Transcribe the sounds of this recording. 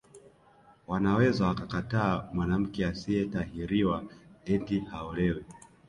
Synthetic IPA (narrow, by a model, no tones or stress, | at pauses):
wanawɛzawakakataːmwanam̩kɛasiɛtaɦiɾiwaɛntihaɔlɛwɛ